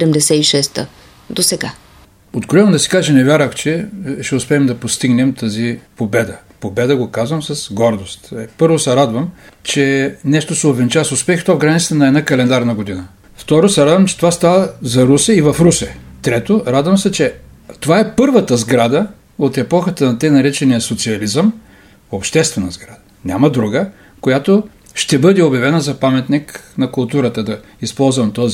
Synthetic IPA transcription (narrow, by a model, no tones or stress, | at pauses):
ɛɾɛmd̪ɛsɛiʃɛst̪ə̰ | d̪osɛɡa | od̪ɡolɛnod̪ɐsi̥kaʒɛnɛvʲjaɾvəxt͡ʃɛʃt̪ɛʊspɛːmd̪ɐpost̪iɡnɛmt̪əzipobɛd̪ə | pobɛd̪əɡokazvəmsɐsɡɔɾd̪ost̪ɛpɤɾvosɛɾad̪vəmt͡ʃɛnɛʃt̪osɛobvɛnt͡ʃasʊspɛxft̪ɔvɡɾanit̪st̪ɛnɐɛd̪nakɐlɛnd̪aɾnəɡod̪inə | ft̪ɔɾosɛɾad̪vəmt͡ʃɛ̥t̪ovast̪avəzɐɾusɛivɐfɾusɛt̪ɾɛt̪oɾad̪vəmsɛt͡ʃɛ | t̪ovaɛpɤɾvət̪əzɡɾad̪ə | ot̪ɛpɔxət̪ənɐt̪ɛnɐɾɛt͡ʃɛnijɐsot̪siɐlizəm | opʃt̪ɛst̪vɛnəzɡɾad̪ə | nʲa̰mɐd̪ɾuɡə | kojat̪o | ʃt̪ɛbɤd̪ɛobʲjɐvɛnəzɐpamɛt̪niknɐkʊlˠt̪uɾət̪əd̪ɐ | ispɔlˠzvɐmt̪ɔzi